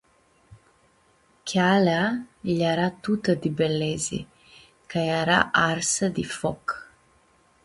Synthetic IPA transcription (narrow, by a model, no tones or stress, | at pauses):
kʲalaʎaɾat̪ut̪əd̪ibelezḭ | kajaɾa̰ʔaɾsəd̪ifɔk